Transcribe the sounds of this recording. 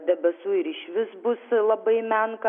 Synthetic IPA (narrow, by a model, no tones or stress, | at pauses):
d̪ʲɛbʲɛsuːɪɾɪʃʲʋʲɪsbʊslˠɐbɐɪmʲɛŋk